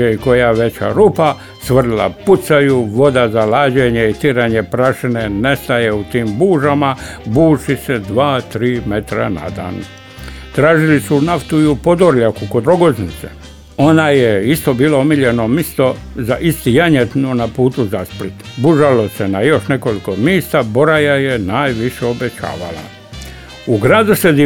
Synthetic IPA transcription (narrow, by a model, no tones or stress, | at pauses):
eiko̞jaʋe̞t͡ɕa̰ɾupa | sʋr̩la̰put̪sajuʋo̞d̪azalaːd͡ʑeɲeit̪iɾaɲepɾaʃinene̞st̪ajeut̪iːmbuːʒama | buːʃised̪ʋaːt̪ɾiːme̞t̪ɾa̰na̰d̪a̰ːn | t̪ɾaːʒilisunaft̪uiupo̞d̪oɾʎakukod̪ɾo̞ɡoznit̪sḛ | o̞najeist̪o̞biːloomiʎenomist̪o̞zaʔist̪ijaɲet̪nonapuːt̪uzasplit̪buʒalo̞senajo̞ʃne̞ko̞liko̞miːst̪abo̞ɾajajenaːjʋiʃeo̞bet͡ɕa̰ːʋa̰la̰ | uɡɾaːd̪used̪i